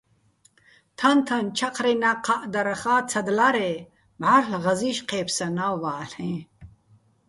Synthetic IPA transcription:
t̪ʰɐnt̪ʰɐnt͡ʃʰɐqɾenɐqaʔd̪ɐɾɐxaːt͡sʰɐd̪laɾe | bʱaɾlɣɐziɕqeːpsɐnawwaːlhẽ

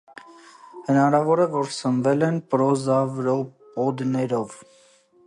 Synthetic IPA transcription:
hənɑɾɑvɔɾəvɔɾsənvɛlɛnpəɾɔzɑvɾɔpɔd̪nɛɾɔv

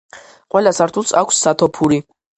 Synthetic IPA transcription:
qʼwɛlasaɾt̪ʰulsakʷʰsːat̪ʰɔpʰuɾi

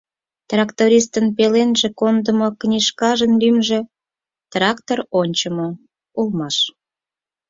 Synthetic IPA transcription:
t̪rɑkt̪oɾʲist̪ənpelenʒĕkond̪əmoknʲiʃkɑʒənlymʒĕ | t̪rɑkt̪oronʲt͡ɕəmo | ulmɑʃ

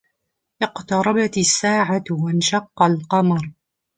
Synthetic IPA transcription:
ʔɪqt̪ɑɾˤɑbat̪sːaːʕawanʃɑqːɑlqɑmɾˤ

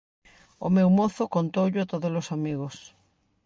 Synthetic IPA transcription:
o̰mewmoθʊkont̪owʎʊat̪oðolosamiɣos

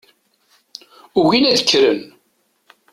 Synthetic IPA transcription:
ʊʝinæðə̥kːɾən

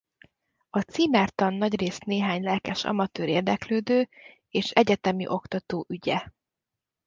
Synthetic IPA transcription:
ɒt̪siːmɛːrt̪ɒnːɒɟreːsneːɦaːɲlɛlkɛʃɒ̰mɒt̪øːɾeːrd̪ɛkløːd̪øː | eːʃɛɟɛt̪ɛmḭʔo̞kt̪ɒt̪oːʔyɟɛ

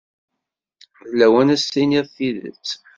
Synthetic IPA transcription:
ðlːæwænæsiniðθiðə̰t͡sː

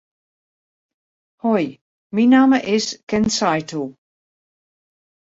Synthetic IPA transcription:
hɔj | minaːməʔɪskɛnsajtʰu

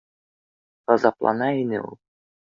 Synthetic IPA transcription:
q̪ɑzɑplˠɑ̰nɑinɘ̰ṵlˠ

